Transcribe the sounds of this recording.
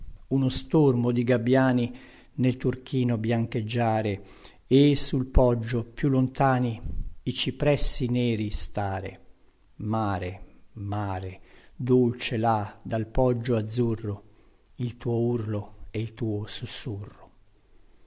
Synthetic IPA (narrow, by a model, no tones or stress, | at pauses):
unost̪ormod̪iɡabːjaːni | nelt̪urkiːnobjaŋk̟ed͡ʒːaːɾe | esulpɔd͡ʒːopjulːont̪aːniit͡ʃipɾɛsːinɛːɾist̪aːɾḛ | maːɾemaːɾed̪olt͡ʃelad̪alpɔd͡ʒːoad̪zːurːo | ilt̪uːourloɛilt̪uːosusːurːo